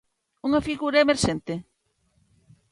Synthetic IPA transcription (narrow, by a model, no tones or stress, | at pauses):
uŋɐfiɣuɾaemeɾʃent̪e